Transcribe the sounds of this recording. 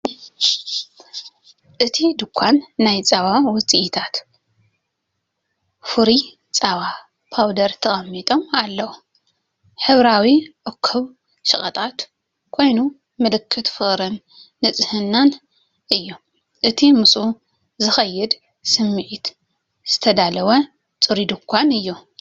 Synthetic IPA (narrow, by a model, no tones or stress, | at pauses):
ʔɨt̪ʰid̪ɨkʷʰːanːajt͡sʼaβawɔt͡sʼiʔt̪ʰat̪ | fuɾi | t͡sʼaβa | pʰawd̪ɐɾt̪ʰɐxʼɐmːit̪ʼo̞malːɐwu | ħɨβɾawiʔɨkʰːɨβ | ʃɨχʼɐt̪ʼat̪ | kʰo̞jnu | mɨlɨkʰːɨt̪fɨxʼɾɨnː | ɨt͡sʼɨhɨnːan | ʔɨjːu | ʔɨt̪ʰimɨsʔu | zɨxɐjːɨd̪ | sɨmːɨʕit̪ | z̥ɨt̪ʰɐd̪alɐwɐ | t͡sʼɨɾid̪ɨkʰʷːanɨjːu